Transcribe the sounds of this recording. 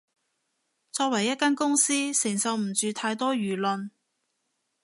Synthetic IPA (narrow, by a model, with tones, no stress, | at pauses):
t͡sɔː˧k̚wɐ˨˩jːɐ˥t̚kːaː˥nkʊ˥ŋsiː˥sɪ˨˩ŋsɐ˨˧wm̩˨˩t͡ʃyː˨t̪ʰaː˧jt̪ɔː˥ɥyː˨˩lɵ˨n